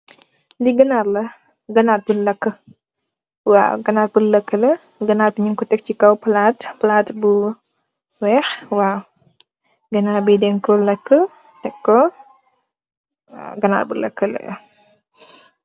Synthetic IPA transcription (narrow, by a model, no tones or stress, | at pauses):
liɡɐnarlɐ | ɡɐnaːt̚bunlɐkːə | wa̰ːɡɐnaːtbulɐkːəlɐ | ɡɐnaːrbuɲuŋkɔtɛk̚cikɐwpɐlaːtpɐlaːtbu | wɛːxwaː | ɡɐnaːɾbidɛnkɔlɐkːə | tɛkːɔ | ɡɐna̰ːrbulɐ̰kːəlɐ̰